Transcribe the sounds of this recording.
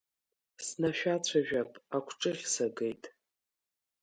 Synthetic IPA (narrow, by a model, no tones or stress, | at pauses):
snaʃᶣat͡ɕʷʰaʒᶣapʼakʷʰʈ͡ʂʼɨʁʲsaɡe̞jtʼ